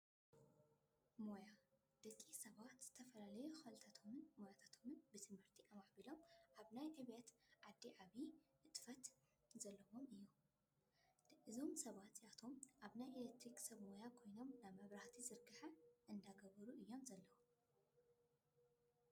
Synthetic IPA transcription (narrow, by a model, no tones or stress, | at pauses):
mo̞ja | d̪̥ɐkʼːisɐβat̪z̥ɨ̥t̪ʰɐfɐlalɐjuxalt̪ʰat̪ʰo̞mɨnmojat̪ʰat̪ʰo̞mɨnbɨt̪ʰɨmhɨɾt̪ʰiʔamaħbilo̞mʔaβnajʕɨβjɐt̪ʕad̪ːiʕaβiʔɨt̪ʼfɐt̪ | zɐlːɐwo̞mɨjːu | ʔɨzo̞msɐβat̪zʼiat̪ʰo̞mʔaβnajʔelek̚t̪ɾiksɐβmo̞jakʰo̞jno̞mnaβmɐβɾaħt̪ʰizɨɾɡɨħaʔɨnd̪aɡɐβɐɾuʔɨjːo̞mzɐlːɐwo